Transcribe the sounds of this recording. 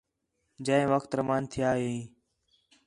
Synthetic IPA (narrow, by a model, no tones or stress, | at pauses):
d͡ʒəẽːʋəkʰt̪ɾəmaːnt̪ʰɪjaːɦeː